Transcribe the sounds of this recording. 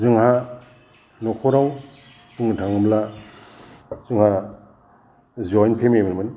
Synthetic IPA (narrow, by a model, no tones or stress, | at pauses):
zɯŋɦa | nɔkʰɔɾaw | puŋtʰaŋɯmbla | zɯŋha | zɔjnpʰememanman